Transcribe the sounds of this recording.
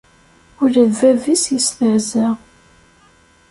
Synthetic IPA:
ʊɾæðvævisjəsməʕzæ

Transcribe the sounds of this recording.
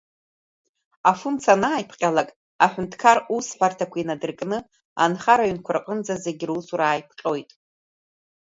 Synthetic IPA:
afunt͡sʰanaːjpʰqʲʼalakʼ | aħʷᶣʊntʰkʰarusħʷᶣartʰakʷʰainadɨrkʼnɨ | a̰nχaɾaɥʏnkʷʰʊrqʼənd͡zaze̞ɡʲɪrusuɾaːjpʰqʲʼo̞jtʼ

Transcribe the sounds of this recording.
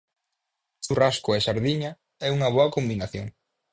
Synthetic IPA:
t͡ʃuraskʊɛʃaɾðiɲɐ | ɛuŋɐβ̞ɔɐkombinaθjoŋ

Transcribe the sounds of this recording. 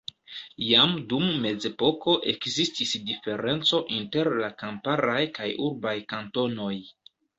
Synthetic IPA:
jamdumːe̞d͡ze̞po̞ko̞ʔe̞̰kzistisdife̞ɾe̞nt͡so̞ʔinte̞ɾlakampaɾajkajuɾbajkanto̞no̞j

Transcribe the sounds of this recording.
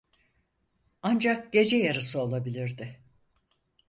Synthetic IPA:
and͡ʒak̚ɟ̥e̞d͡ʒɛjaɾɯsɯo̞lˠabilʲiɾd̪ɪ

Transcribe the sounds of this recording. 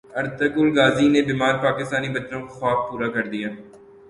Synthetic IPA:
ɐɾt̪əkʊlɡaːzinebiːmaːɾpaːkɪst̪aːnibɐt͡ʃɾõkoxaːfpuːɾakɐɾd̪ijaː

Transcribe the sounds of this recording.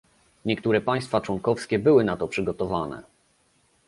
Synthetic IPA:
ɲɛkt̪uɾɛpaj̃st̪fat͡ʂwɔŋkɔfskʲɛbɘwɘnat̪ɔpʂɘɡɔt̪ɔvanɛ̰

